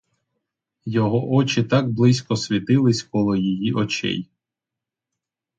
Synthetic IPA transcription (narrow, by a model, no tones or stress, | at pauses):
jɔɦɔʔɔt͡ʃɪt̪ɑɡblˠɪsʲkɔsʲʋʲit̪ɪlˠɪsʲkɔlˠɔjijiʔɔt͡ʃɛ̰j